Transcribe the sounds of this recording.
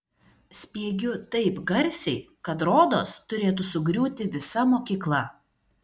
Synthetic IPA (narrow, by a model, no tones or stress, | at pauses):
sʲpʲiɛɡʲʊt̪ɐɪpɡɐɾʲˑsʲɛɪ | kɐt̪ɾoːd̪o̰ːst̪ʊɾʲeːt̪̬ʊsʊɡɾʲuːt̪ʲɪʋʲɪsɐmoːkʲiːklˠɐ